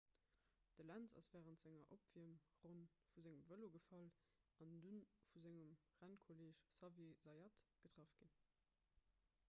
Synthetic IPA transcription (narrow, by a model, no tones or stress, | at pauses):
d̥əlænzɑ̰sv̥æːʁəntz̥æŋɐʔopv̥iəmʁonfuzæŋəmvəloɡəfɑl | ɑndunfuzæŋəm | ʁænkʰoleːʃsɑvjezɑjɑtɡ̥ətʁ̥ɑfɡ̥in